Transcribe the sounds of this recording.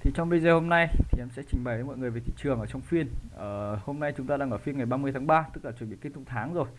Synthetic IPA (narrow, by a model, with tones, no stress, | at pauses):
t̪ʰi˨˩t͡ɕɔ˧wŋ͡mɓə˧jzəː˨˩ho˧mna˧jt̪ʰi˨˩ɛ˧˥msɛ̰˧˥t͡ɕï˨˩ŋ̟ɓa˨˩jə˨˦mɔ̰˧˨ŋɨ˨˩əjve˨˩t̪ḭ˧˨t͡ɕɨ˨˩əŋʔəː˧˩t͡ɕɔ˧wŋ͡mfi˧ənʔəː˧˩ho˧mna˧jt͡ɕʊ˨˦ŋ͡mt̪aː˧ɗaː˧ŋʔəː˧˩fi˧ənŋa˨˩jɓaː˧mɨ˧əjt̪ʰaː˨˦ŋɓaː˧t̪ɨ˦˥k̚laː˨˩t͡ɕwɓi˧˨ki˧˦t̪ʊ˧˥t̪ʰaː˨˦ŋzo˨˩j